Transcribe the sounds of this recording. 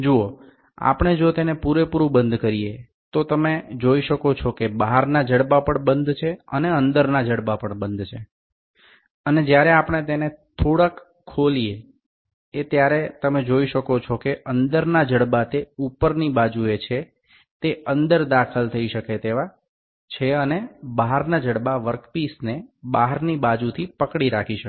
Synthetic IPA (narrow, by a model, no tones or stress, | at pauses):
d͡ʒuo | a̰pəɳ̃ed͡ʒot̪enepuɾepuɾũbənd̪ʱkəɾije | t̪ot̪əmed͡ʒoiʃəkot͡ʃʰɔkebaɦaɾnad͡ʒəɽbapəɳbənd̪ʱt͡ʃʰeə̰neənd̪əɾnad͡ʒəɽbapəɳbənd̪ʱt͡ʃʰe | əned͡ʒjaɾeapəɳ̃et̪enet̪ʰoɽəkʰː | olie | et̪jaɾet̪əmed͡ʒoiʃəkot͡ʃʰɔkeʔənd̪əɾnad͡ʒəɽbat̪eupəɾnibad͡ʒuet͡ʃʰe | t̪eənd̪əɾd̪akʰəlt̪ʰəiʃəket̪eʋa | t͡ʃʰeənebaɦaɾnad͡ʒəɽbaʋəɾkpisnebaɦəɾnibad͡ʒut̪ʰipəkɽiɾakʰiʃə